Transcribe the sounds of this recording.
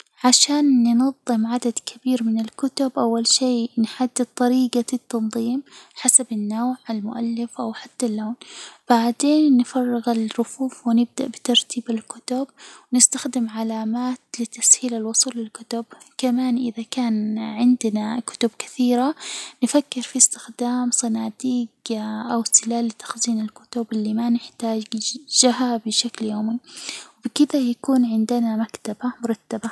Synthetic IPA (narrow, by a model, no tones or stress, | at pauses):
ʕaʃaːnːnɑðˤːɨmʕad̪ad̪kʰɪbiːɾmɪnɪlkʊt̪ʊbʔawːalʃiːnħad̪ːɪd̪̚t̪ˤːɑɾiːɡaɪt̪ːɑnðˤiːmħasabɪnːoːʕalmʊ̰ʔalːɪfʔawħat̪ːalːoːnb̥aʕd̪eːnːɪfɑrˤːɪɣɪlɾʊfuːfwɪnɪb̚d̪aʔbɪt̪ɑɾˤt̪ʰiːbɪlkʊt̪ʊb̚wnɪst̪axd̪ɪmʕalaːmaːt̪lɪt̪ashiːlalwʊsˤuːlːɪlkʊt̪ʊb | kamaːnʔɪðakaːnʕɪnd̪nakʊ̥t̪ʊbkḁθiːɾanɪfakːɪɾfist̪ɪ̥xd̪aːmsˤɑnaːd̪iːɡʔawsɪlaːlːɪt̪ḁxziːnɪlkʊ̥t̪ʊbɪlːimanɪħt̪aːd͡ʒd͡ʒaɦabɪʃakljoːmiwbɪkɪd̪ajakuːnʕɪnd̪ɪnamakt̪abamʊɾˤɑt̪ːaba